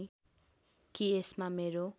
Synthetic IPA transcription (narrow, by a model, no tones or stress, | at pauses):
kiesmameɾo